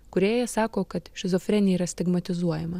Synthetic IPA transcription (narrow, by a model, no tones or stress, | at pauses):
kʊɾʲeːjɛsɑːkoːkɐt̪ʃʲɪzɔfʲɾʲɛnʲeiːɾɐsʲt̪ʲɪɡmɐt̪ʲɪzuɔjɛmɐ